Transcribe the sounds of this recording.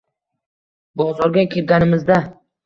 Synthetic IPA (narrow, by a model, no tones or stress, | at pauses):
bɒʁzɒɾɡʲakʲʰelɡʲanɪmɪzd̪a